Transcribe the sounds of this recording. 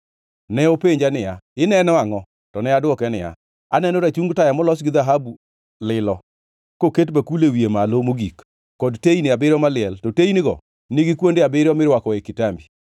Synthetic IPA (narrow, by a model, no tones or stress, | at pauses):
nɛopeɲd͡ʒanɪjaɪnɛnɔaŋɔ | tɔnɛadwɔkɛnɪja̰ | a̰nɛnoɾat͡ʃuŋɡtajamɔlɔsɡɪðaɦabu | lɪlɔ | koketbakulewiemalomoɡik | kɔdteinɪabɪɾɔmalɪɛltɔteinɪɡɔ̰ | nɪɡɪkwondeabɪɾjɔmɪɾwakɔekɪtambi